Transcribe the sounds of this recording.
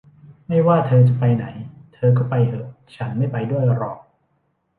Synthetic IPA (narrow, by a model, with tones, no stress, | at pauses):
ma˥˩jwaː˥˩t̪ʰɤː˧t͡ɕa˨˩pa˧jna˩˦jt̪ʰɤː˧k̬ɔː˥˩pa˧jʔɤː˨˩ | t͡ɕʰa˦˥nma˥˩jpa˧jdu˥˩əjla˧ɾɔ̰ː˨˩k̚